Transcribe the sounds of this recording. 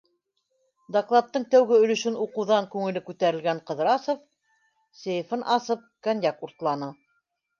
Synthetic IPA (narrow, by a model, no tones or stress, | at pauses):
d̪aklˠɑt̪ːɤɴt̪æwɡɘɵ̆lɵ̆ʃɘnuqɤ̆wðɑŋkʉŋɘ̆lɘkʉt̪æɾɘ̆lɡæɴqɤ̆ðɾɑsŏf | sejfɤnʔɑsɤp̚kænʲjɑkuɾt̪lˠɑnɤ